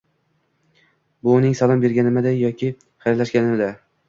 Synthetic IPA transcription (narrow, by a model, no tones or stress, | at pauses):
bʊːnɪŋsalˠɑmbe̞ɾɡʲanɪmɪd̪ajɒkʲʰɪ | χajɾlaʃɡʲanɪmɪd̪a